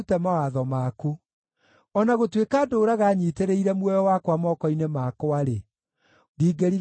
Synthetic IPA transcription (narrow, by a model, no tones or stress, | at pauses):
tɛmawaðɔmaku | ɔnaɣotwekaːdoːɾaɣaːɲiːteɾeiɾɛmwɛjɔwakwamɔːkɔinemaːkoaɾe | diːɡeɾi